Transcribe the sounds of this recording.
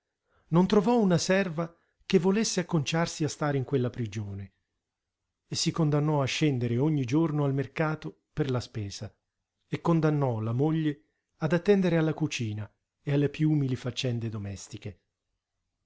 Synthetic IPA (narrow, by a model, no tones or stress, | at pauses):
nont̪ɾovɔunasɛrva | kevːolesːeakːont͡ʃarsiast̪aːɾeiŋkwelːapɾid͡ʒoːne | esːikond̪anːɔaʃːɛnd̪eɾeoɲːid͡ʒornoalmerkaːt̪o | perlaspɛːz̥a | ekːond̪anːɔlamoʎːe | ad̪at̪ːɛnd̪eɾealːakut͡ʃiːna | ealːepjuuːmilifat͡ʃːɛnd̪ed̪omɛst̪ike